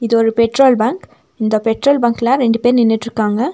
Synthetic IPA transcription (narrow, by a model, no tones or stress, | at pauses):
ɪðɯɔɾɯpɛʈɾoːlbaːŋk | ɪnd̪ɐpɛʈɾoːlbaːŋkɛlãːɾɛɳɖɯpeːɾnɪnːɪʈːɾɯkːaːŋɡɐ